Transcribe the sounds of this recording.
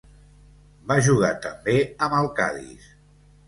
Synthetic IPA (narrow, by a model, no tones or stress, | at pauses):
baʒuɣ̞at̪əmbeəməlˠka̰ðḭs